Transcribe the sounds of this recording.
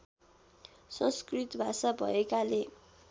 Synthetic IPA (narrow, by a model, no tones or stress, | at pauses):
sʌ̃nskrit̪bʱasabʱʌ̰ekale